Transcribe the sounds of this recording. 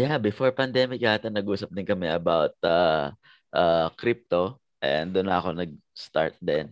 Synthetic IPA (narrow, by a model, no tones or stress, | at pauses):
jabɪfo̞ɹpɐnd̪ɛmɪk̚ːaːat̪ɐnɐɡuːsɐp̚d̪ɪnkɐmɛʔɐbawt̪̚a | ʔaːkɾip̚t̪o̞ | ʔɛ̰nd̪ʊnːɐɐko̞nɐɡ̚ | st̪a̰ɹt̪̚d̪ɛn